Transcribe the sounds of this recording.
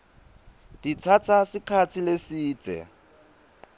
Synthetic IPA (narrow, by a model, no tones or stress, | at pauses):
d̥it͡sʰat͡sʰasɪkʰat͡sʰilesiːt͡sʼɛ̰